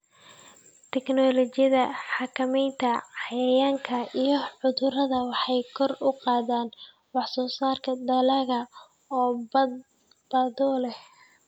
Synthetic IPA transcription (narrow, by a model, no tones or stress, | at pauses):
t̪ʰɛknɔːlɔt͡ʃɪjɐðɐħɑkʰɐmɛjnt̪ʰɐħɑjɐjaːŋkʰɐijɞʕʊðʊɾɐðɐwɑħɑjkʰɔrʊqɑːðaːn | wɑħsɔːsaːrkʰɐd̪ɐlɐɣɐ | ɔː | b̥ɐðɔːlɛh